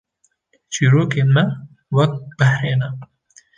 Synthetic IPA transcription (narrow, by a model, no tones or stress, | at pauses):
t͡ʃiːɾoːkemɐ | wɐk̚t̪̚b̥ɐhɾeːnɐ